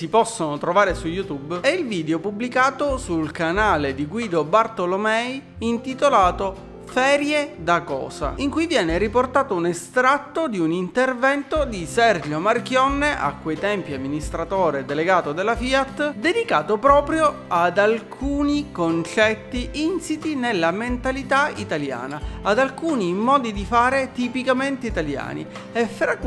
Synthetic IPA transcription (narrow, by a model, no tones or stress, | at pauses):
sipɔsːonot̪ɾovaːɾesujut̪ubɛilviːd̪eopubːlikaːt̪osulkanaːled̪iɡwiːd̪obart̪olomɛj | int̪it̪olaːt̪o | fɛːɾjed̪akɔ̰ːza̰iŋkujvjɛːneɾiport̪aːt̪ounest̪ɾat̪ːod̪iunint̪ervɛnt̪od̪isɛrd͡ʒjomark̟jɔnːeʔa̰kːejt̪ɛmpjamːinist̪ɾat̪oːɾed̪eleɡaːt̪od̪elːafiat̪ːd̪ed̪ikaːt̪opɾɔːpɾjoad̪alkʰuːnikont͡ʃɛt̪ːiʔinsit̪inelːament̪alit̪ait̪alja̰ːnaːd̪alkuːnimɔːd̪id̪ifaːɾet̪ipikament̪eit̪alja̰ːnḭ | efɾak